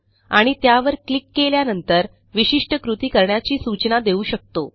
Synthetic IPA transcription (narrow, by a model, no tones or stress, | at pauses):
aɽ̃it̪jaʋəɾklikːeljanənt̪əɾ | ʋiɕiʂʈəkɾut̪iːkəɾɳjat͡ɕiːsut͡ɕnad̪euːɕək̚t̪o